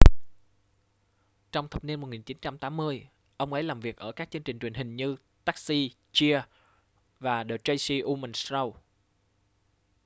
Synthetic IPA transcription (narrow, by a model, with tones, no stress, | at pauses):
t͡ɕɔ˧wŋ͡mt̪ʰə˨˩p̚ni˧nmo˨˩t̚ŋi˨˩nt͡ɕi˨˦nt͡ɕa˧mt̪aː˨˦mːɨ˧əj | ʔə˧wŋ͡mʔə˨˦jlaː˨˩mvi˨˩ək̚ʔəː˧˩kaː˦˥k̚t͡ɕɨ˧əŋt͡ɕï˨˩ŋ̟t͡ɕwi˨˩ŋhï˨˩ŋ̟ɲɨ˧ | t̪aː˦˥k̚si˧ | t͡ɕi˧ə | vaː˨˩ɗəː˨˩t͡ɕə˧jsi˧ʔu˧mə˨˧˩nszə˧w